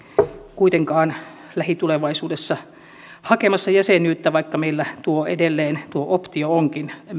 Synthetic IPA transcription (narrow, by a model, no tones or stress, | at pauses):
kuit̪eŋkɑːn | læhit̪uleʋɑisuːdesːɑ | hɑkemɑsːɑjæsenyːt̪ːæʋɑikːɑmeilːæt̪uoḛdelːeːnt̪uoʔopt̪iooŋkin